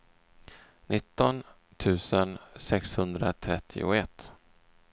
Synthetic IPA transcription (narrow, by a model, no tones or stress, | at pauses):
nʔɪt̪ːɔn | t̪ʰʉ̟ːsənsɛkshɵnd̪ɾat̪ʰɾɛt̪ʰːɪ̰ʊɛt̪ː